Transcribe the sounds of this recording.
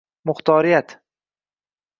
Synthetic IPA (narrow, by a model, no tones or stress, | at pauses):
mʊχt̪ʰɒːɾijat̪